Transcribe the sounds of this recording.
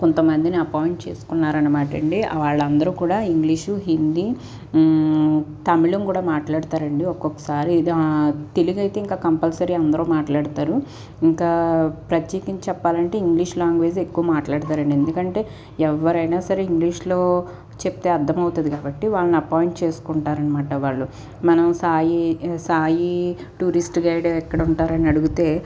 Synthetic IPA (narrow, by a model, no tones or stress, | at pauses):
kont̪ɐmɐnd̪iniɐpaːjiɳʈt͡ʃeːsu̥kunːaːɾɐnːɐmaːʈɐɳɖiɐ̰ʋaːɭːɐnd̪ɐɾuːkuːɽaːiŋɡliːʂuɦind̪i | t̪ɐmiɭɐmkuːɽaːmaːʈlaːɽut̪aːɾɐɳɖiɔkːɔkːɐ̥saːɾi | t̪eliɡɐjt̪e̞ːiŋkaːkɐmpɐlsɐɾiɐnd̪ɐɾoːmaːʈlaːɽut̪aːɾu | iŋkaːpɾɐt̪jeːkɐɲt͡ʃɛpːaːlɐɳʈe̞ːiŋɡliːʂlaːŋɡʋeːd͡ʒekːuʋɐmaːʈlaːɽut̪aːɾɐɳɖiend̪ukɐɳʈe̞ː | ɛʋːɐɾɐjnaːsɐɾeiŋɡliːʂlo̞ː | t͡ʃep̚t̪e̞ːɐɾd̪ʱːɐmɐwut̪ɐd̪ikaːbɐʈːiʋaːɭɐniɐpaːjiɳʈ̚t͡ʃe̞ːsu̥kuɳʈaːɾɐnɐmaːʈɐʋaːɭːu | mɐnɐmsaːjisaːji | ʈuːɾisʈɡɐjɽeɛkːɐɽuɳʈaːɾɐniɐɽuɡut̪e̞ː